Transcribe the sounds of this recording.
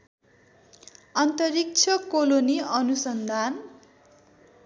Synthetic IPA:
ʌnt̪ʌrik̚t͡sʰʌkoloniʌnusʌnd̪ʱan

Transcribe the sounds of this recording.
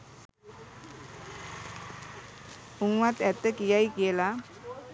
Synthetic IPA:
uŋwat̪ɛt̪əkijajkela

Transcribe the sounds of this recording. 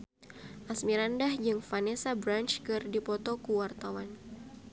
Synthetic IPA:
ʔasmiɾandahd͡ʒɨŋfanesabɾant͡ʃkɨrdipɔt̪ɔkuwart̪awan

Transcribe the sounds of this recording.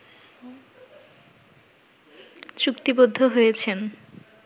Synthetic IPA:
t͡ɕukt̪ibod̪ʱːoɦojet͡ɕʰen

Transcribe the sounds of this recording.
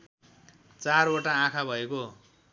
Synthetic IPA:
t͡saroʈaãkʰabʱʌeko

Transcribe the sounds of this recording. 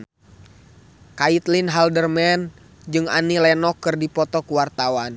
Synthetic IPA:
kait̪linɦaldərmɛn | d͡ʒɨŋa̰nilɛnɔkːɨrdipɔt̪ɔkuwart̪awan

